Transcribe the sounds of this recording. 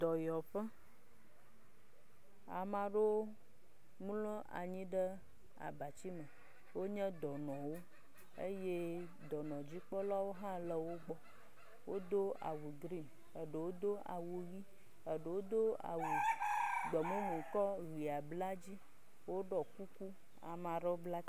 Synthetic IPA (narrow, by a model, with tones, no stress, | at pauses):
d̪ɔ˨jɔ˨ɸɛ˦ | a˨mã˨ɖe˦ | mu˦lɔ̃˦ʔa̰˨ɲĩ˦ɖə˦ | a̰˨ba˨t͡ɕi˦mə̃˨ | wo˦ɲɛ̃˦d̪ɔ˨nɔ̃˨wo˦ | ḛ˦je˦ | d̪ɔ˨nɔ̃˨d͡ʑi˦k͡pɔ˦la˦wo˦ɦã˦lə˦wo˦ɡ͡bɔ˦ | wo˦d̪o˦a̰˨wu˨ɡɾi˦˨m | ə˨ɖə˨wo˦d̪o˦a̰˨wu˨ɣi˦ | ə˨ɖə˨wo˦d̪o˦a̰˨wu˨ɡ͡bɔ˨mẽ˦nũ˨kɔ˦ɣi˨a˨bla˦d͡ʑi˦ | wo˦ɖɔ˨ku˦ku˦ | a̰˨mã˨ɖe˦bla˦